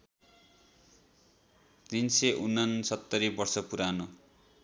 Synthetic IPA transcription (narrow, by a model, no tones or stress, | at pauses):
t̪inseʔunːʌnsʌt̪ːʌɾibʌrsʌpuɾano